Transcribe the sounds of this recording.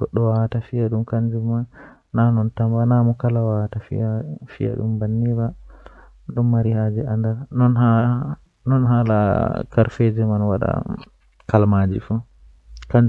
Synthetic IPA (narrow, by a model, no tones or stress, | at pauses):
ɡ̥ɔɗːɔwawatafijaɗumkaɲd͡ʒumanː | anɔntambanamɔkalawawtafḭjafḭja̰ɗṵmbanːiɾa | ɗumːaɾihad͡ʒɛandaɾnɔna | nɔnɦala̰kaɾfed͡ʒɛmanwaɗa̰ | kalmad͡ʒḭfu | kaɲd͡ʒ